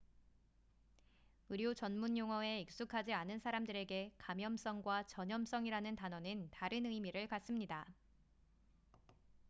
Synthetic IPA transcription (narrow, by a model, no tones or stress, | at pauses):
ɯɾjot͡ɕʌnmuɲjoŋʌe̞ik̚s͈ukʰad͡ʑianɯnsʰaɾamdɯɾe̞ɡe̞kamjʌms͈ʌŋɡwat͡ɕʌɲʌms͈ʌŋiɾanɯntanʌnɯntaɾɯnɯmiɾɯɭkas͈ɯmɲida